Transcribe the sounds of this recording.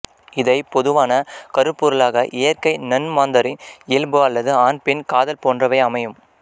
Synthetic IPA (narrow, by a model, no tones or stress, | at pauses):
ɪðɐɪpɔðɯʋaːnɐkɐɾɯpːuːɾɐlaːɣɐʔɪjɐrkɐɪnɐnmaːnd̪ɐɾɪnɪlbɯɐlːɐðɯaːnpɛnkaːðɐlpoːndrɐʋɐɪɐmɐjɯm